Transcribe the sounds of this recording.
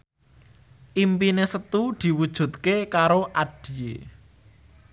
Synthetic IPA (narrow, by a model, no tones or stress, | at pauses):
ʔimpinesət̪ud̪̥i̤wud̥ʒ̥ṳt̪̚kekaɾoʔaɖ̥i̤jḛ